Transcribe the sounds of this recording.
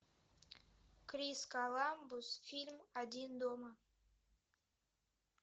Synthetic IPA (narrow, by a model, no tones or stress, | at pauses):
krʲiskalˠɑmbusfʲilʲmad̪ʲind̪oma